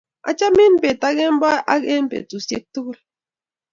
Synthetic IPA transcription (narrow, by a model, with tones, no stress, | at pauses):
a̰˨t͡ʃa˦mi˦n˦pe˨ta˦ɡe˦m˦ba˦ʔa˦ɡe˦n˦pḛ˨tu˨se˦k̚tu˦kɾa˨